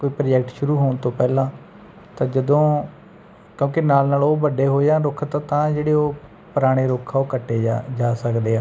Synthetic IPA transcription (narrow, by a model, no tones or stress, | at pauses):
koːiːpɾd͡ʒɛkʈʃʊɾuːɦoːɳt̪õːpɛːlãː | t̪ãːd͡ʒəd̪õː | kjõːkɪnaːlnaːloːʋəɖeːɦoːjãːɾʊkʰt̪ãːt̪ãːd͡ʒeːɽeːoː | pəɾaːɽ̃eːɾoːkʰaːoːkəʈːeːd͡ʒaːsəkd̪eːaː